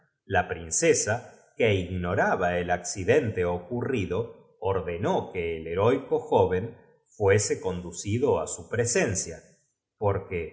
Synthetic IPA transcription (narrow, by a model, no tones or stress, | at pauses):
lapɾinsesa | keiɣno̞ɾaβaelaksiðe̞nt̪eokuriðo̞ː | ɾðe̞nokeːleɾojko̞xoβ̞e̞n | fweseko̞nd̪usiðoa̰supɾesensja | poɾke